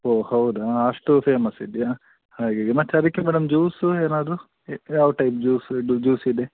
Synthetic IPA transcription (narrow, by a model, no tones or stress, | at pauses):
oːhɐwd̪aɐʂʈupeːmɐsid̪ijaː | haːɡaːɡemɐtːɐɾikːemɛːɖɐmd͡ʒuːsueːnaːd̪ɾu | jaːʋɐʈɐjp̚d͡ʒuːsud͡ʒuːsid̪e